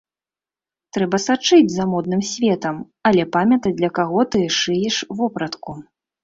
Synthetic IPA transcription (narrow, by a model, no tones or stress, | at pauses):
t̪ɾɛbɐsat͡ʂɨd͡zʲzɐmɔd̪̚nɨmsʲvʲɛt̪ɐm | ɐlʲɛpamʲɐt̪ɐt͡sʲd̪lʲɐkaɣɔt̪ɨʂɨjɛʂvɔpɾɐt̪ku